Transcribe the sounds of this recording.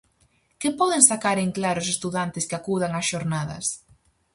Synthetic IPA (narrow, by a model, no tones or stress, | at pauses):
kɪpɔðɪŋsakaɾeŋklaɾʊsest̪uðant̪ɪskɪakuðaŋasʃoɾnaðɐ̰s